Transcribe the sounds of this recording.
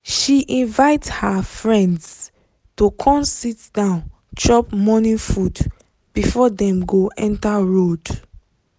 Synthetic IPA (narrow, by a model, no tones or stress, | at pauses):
ʃiʔĩnvaɪthafɹɛ̃ndz | tokʰɔ̃nsitdãʊ̃n | t͡ʃɔpmɔnĩnfud | b̥ifɔdɛ̃mɡoʔɛ̃ntaɹod